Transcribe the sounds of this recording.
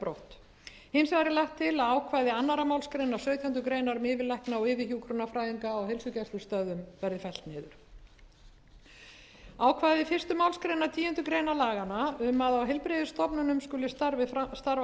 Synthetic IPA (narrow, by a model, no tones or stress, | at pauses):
pɾo̰wht̪ | hɪnsaɾɪlajht̪ʰːɪlaðaːwkʰvaːjðɪanːaɾamaːwlskɾeːjnḁsœːɥt̪ʰjant̪ʏkɾejnaɾʏmɪːvɪlɛhknaɔɣɪːvɪhjuwkʰɾunafɾaːjiŋkaːwɦejlsʏcɛst̪ʏst̪œðʏmvɛɾðɪfɛl̥t̪nɪːðʏɾ̥ | aːwkʰvaːjðɪfɪrst̪ʏmawlskɾejnat̪ʰiːɛnt̪ʏkɾejnalaːɣanaʏmːaðawɦɛlpɾeðʏst̪ɔpnʏnʏmskʏlːɪst̪aɾvɪst̪aɾv